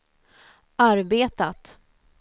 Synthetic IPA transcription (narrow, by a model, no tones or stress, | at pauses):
aɾbeːt̪at̪